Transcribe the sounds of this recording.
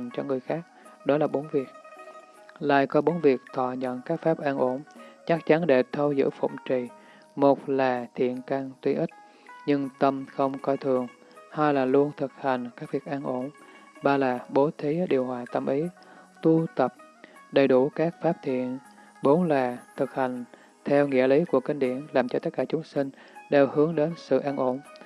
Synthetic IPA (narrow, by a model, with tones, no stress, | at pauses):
ŋt͡ɕɔ˧ŋɨ˨˩əjxaː˦˥k̚ɗɔ˨˦laː˨˩ɓo˨˦nvi˨˩ək̚ | la̰ː˧˨jkɔ˨˦ɓo˨˦nvi˨˩ək̚t̪ʰɔ̰˧˨ɲə̰˧˨nkaː˦˥k̚faː˦˥p̚ʔaː˧nʔo˧˩nt͡ɕa˦˥k̚t͡ɕa˨˦nɗe˧˩t̪ʰə˧wzɨ̰˧˥fə̰˧˨wŋ͡mt͡ɕi˨˩ | mo˨˩t̚laː˨˩t̪ʰḭ˧˨ənkaː˧ŋt̪wi˧ʔi˦˥k̟̚ | ɲɨ˧ŋt̪ə˧mxə˧wŋ͡mkɔ˧t̪ʰɨ˨˩əŋ | haː˧jlaː˨˩lu˧ənt̪ʰɨ˨˩k̚ha˨˩jŋ̟kaː˦˥k̚vi˨˩ək̚ʔaː˧nʔo˧˩nɓaː˧laː˨˩ɓo˨˦t̪ʰi˨˦ɗi˨˩əwhwaː˨˩t̪ə˧mʔi˨˦t̪u˧t̪ə˨˩p̚ | ɗə˨˩jɗu˧˩kaː˦˥k̚faː˦˥p̚t̪ʰḭ˧˨ən | ɓo˨˦nlaː˨˩t̪ʰɨ˨˩k̚ha˨˩jŋ̟ | t̪ʰɛ˧wŋḭ˧˥əli˨˦ku˧˩əkï˧ŋɗḭ˧˩˨ənlaː˨˩mt͡ɕɔ˧t̪ə˦˥kaː˧˩t͡ɕʊ˨˦ŋ͡msï˧ŋ̟ɗe˨˩whɨ˨˦əŋɗe˨˦nsɨ̰˧˨ʔaː˧nʔo˧˩n